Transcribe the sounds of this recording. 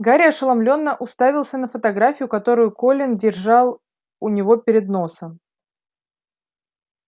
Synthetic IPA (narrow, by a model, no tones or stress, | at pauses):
ɡaɾʲɪəʂəlˠɐmlʲo̞nːəʔʊst̪avʲɪlˠsʲənəfət̪ɐɡɾafʲɪjʊkɐt̪o̞ɾʊjʊko̞lʲɪndʲɪrʐɑlˠ | ʊnʲɪvo̞pʲɪɾʲɪd̪no̞səm